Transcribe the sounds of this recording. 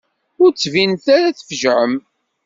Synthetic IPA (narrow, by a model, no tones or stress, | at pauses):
ʊɾt͡sːvinθaɾæθəfʒʕəm